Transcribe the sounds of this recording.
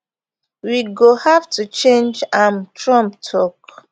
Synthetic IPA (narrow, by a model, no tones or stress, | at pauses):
wiɡohavtʰut͡ʃẽnd͡ʒãmtɹɔ̃mptʰɔk